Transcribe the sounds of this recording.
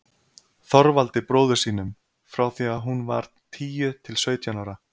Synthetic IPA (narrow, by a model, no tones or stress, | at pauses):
θɔɾvalt̪ɪpɾoːwðʏ̥siːnʏm | fɾawθiːaðɦunva̰ɾ̥ | t̪ʰiːjʏt̪ʰɪlsœːɥt̪janawɾa